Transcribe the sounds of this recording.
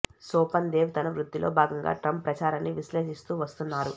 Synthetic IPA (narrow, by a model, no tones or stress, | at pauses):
soːpɐnd̪eːwt̪ɐnɐʋɾud̪ːilʔo̞ːbʱaːɡɐŋɡa̰ːʈɾɐmpːɾɐt͡ʃaːɾanːiʋiʃle̞ːʃist̪uːʋɐst̪unːaːɾu